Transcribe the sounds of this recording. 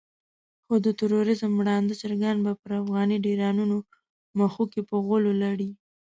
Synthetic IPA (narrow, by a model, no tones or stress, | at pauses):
xod̪ət̪ɪɾoɾɪzəmwɽɑnd̪ət͡ʃaɾɡanbapəɾafɣɑniɖiɾɑnuno | maxukepəɣəlolaɽi